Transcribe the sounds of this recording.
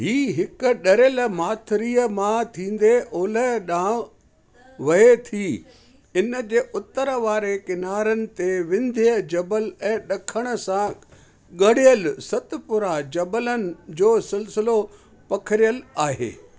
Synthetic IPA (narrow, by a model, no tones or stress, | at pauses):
ɦiːɦɪkʊ̆ɗɐɾelmaːt̪ʰɾiːəmãt̪ʰĩːn̆d̪eʔoːləɗãː | ʋɐet̪ʰiː | ɪnə̆d͡ʑeːʔʊt̪əɾʋaːɾekɪnaːɾənɪ̆t̪eʋɪ̃nd̪ʱiəd͡ʑɐbəlɛ̃ːɗɐkʰəɽ̃ə̆sã | ɠɐɽ̤ijəlsɐt̪̆pʊɾad͡ʑɐbələnɪ̆d͡ʑoːsɪlsɪlo | pɐkʰəɾijəlaːɦḛː